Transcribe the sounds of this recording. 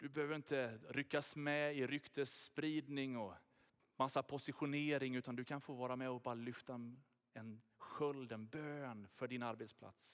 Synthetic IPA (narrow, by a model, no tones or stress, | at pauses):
d̪̥ɵbɛhøːvəɾɪnt̪əɾʏkːasmɛɪɾʏkt̪ʰəspɾiːd̪nɪŋɔ | masːapʰʊsɪɧʊneːɾɪŋʉ̟ːt̪and̪ɵkʰanfoːvɑːɾamɛɔbɑːɾalʏft̪a | ɛn | ɧœld̪ɛnbøːnfœɖɪnaɾbɛt̪spʰla̰t̪s